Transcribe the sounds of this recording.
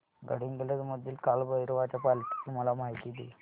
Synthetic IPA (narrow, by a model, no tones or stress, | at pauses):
ɡə̰ɽinɡeləd̪məd̪ʱːiːlkalbəjɾʋat͡ɕapalt̪ʰi̥t̪ulməlamajt̪id̪ḛ